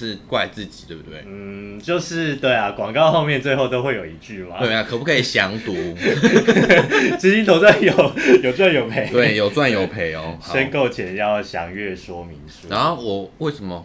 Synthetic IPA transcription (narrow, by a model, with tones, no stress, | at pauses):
ʂɻ̩˥˧kwa˥˧ɪt͡sɹ̩˥˨˩t͡ɕi̥˨˩we˥˩bu˨˧t̪we˥˩ɪn̩˥˩t͡ɕjo˥˧ʊʂɻ̩˥˧t̪we˥˩ɪa˨kwɑ˨˩ŋkɑ˥˧ʊxo˥˧ʊmjɛ˥˧nt͡swe˥˧xo˥˩ʊt̪o˥˦xwe˥˩jo˨˩ʊi˧˥t͡ɕy˥˩ma˨wm˧˩a˨˩kʰə˨˩pu˥kʰi˨˩ɕjɑ˧˦ŋt̪u˨˦ | t͡sɻ̩˥t͡ɕi˥˦nt̪ʰo˧˥t͡swa˥˨njo˨˩ʊjo˨ʊt͡swa˥˩njo˨˩ʊpʰe˨˩˦ɪt̪we˥˩ɪjo˨ʊt͡swa˥˨njo˨˩ʊpʰe˨˩ɪɔ̰˨˦ʂə˦nko˥˨ʊt͡ɕʰjɛ˨˦njɑ˥˨˩ʊɕjɑ̰˨˩ŋɥɛ˥˩ʂwɔ˥mi˨˦ŋʂu˧˦na˨˦o˥˩wɔ˨˩we˥˩ɪʂə˧˦mə˨˦